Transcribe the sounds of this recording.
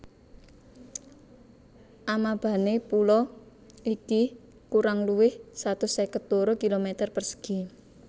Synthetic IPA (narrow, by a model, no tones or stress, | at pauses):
ʔamab̥ä̤nepulɔ | iki | kuɾaŋluwɪhsat̪ʊsɛkət̪̚oɾokilomɛt̪ərpərsə̥ɡ̥i